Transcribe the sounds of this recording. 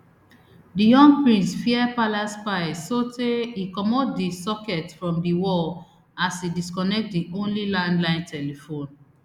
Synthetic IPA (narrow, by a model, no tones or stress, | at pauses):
dijɔ̃ŋɡ̚pɹĩnsfiɛpalaspaɪsoteikɔmɔdisɔkɛtfɹɔ̃mdiwɔ | asidiskɔnɛk̚tdiʔõnlilãndlãɪ̃ntʰɛlifõn